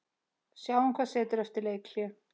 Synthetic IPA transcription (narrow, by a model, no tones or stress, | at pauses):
sjaːwɛŋkʰvaðsɛːt̪ʏɾɛft̪ɪɾleːjkʰl̥jɛ